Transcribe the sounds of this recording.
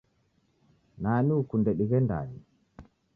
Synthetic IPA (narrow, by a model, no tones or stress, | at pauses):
naːniukundɛɗiɡɛnda̰ːni